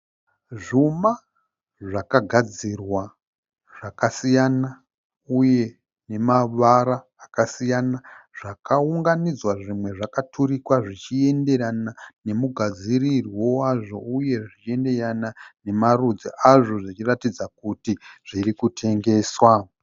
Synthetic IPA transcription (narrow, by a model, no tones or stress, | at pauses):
ʐuma | ʐakaɡʱad͡zirwa | ʐ̥akasijana | uje̞ | ne̞maʋaɾaːkasijanaʐ̥akauŋɡanid͡zwaʐimwe̞ʐakatʰuɾikwaʐit͡ʃie̞nde̞ɾanane̞muɡʱad͡zirirwo̞waʐo̞uje̞ʐit͡ʃie̞nde̞ranane̞marud͡ziʔaʐo̞ʐit͡ʃiratid͡zakutiʐ̥iɾikutʰe̞ŋɡe̞ːswa